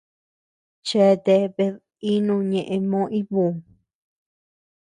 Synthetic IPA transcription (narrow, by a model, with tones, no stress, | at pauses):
t͡ʃe˦˨t̪e˧βe˧ | i˦nũ˧ɲẽ˨ʔẽ˧mõ˦ʔi˦βu˨